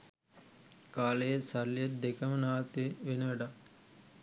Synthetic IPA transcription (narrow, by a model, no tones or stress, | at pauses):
kaːlejesɐlːijed̪ekɐmɐnaːt̪iʋenɐʋɐɖɐ